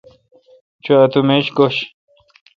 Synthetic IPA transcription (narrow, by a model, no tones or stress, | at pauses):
t͡ɕʰuɐt̪umeɕɡoɕ